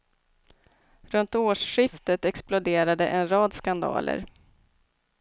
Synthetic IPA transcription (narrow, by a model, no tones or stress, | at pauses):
ɾɵnt̪oːʂɧɪft̪ət̪ɛksplʊd̪eːɾad̪əʔɛnɾɑːd̪skand̪ɑ̰ːlə̰ɾ